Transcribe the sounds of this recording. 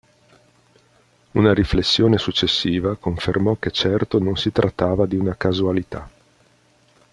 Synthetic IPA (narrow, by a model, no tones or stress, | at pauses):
unaɾiflesːjoːnesut͡ʃːesːiːvakoɱfermɔkːet͡ʃɛrt̪ononsit̪ɾʔat̪ːaːvad̪iunakazualit̪a